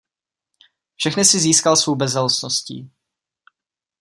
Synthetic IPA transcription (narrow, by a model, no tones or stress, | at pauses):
fʃɛxnɪsɪziːskalsvowbɛzɛlosnoscḭː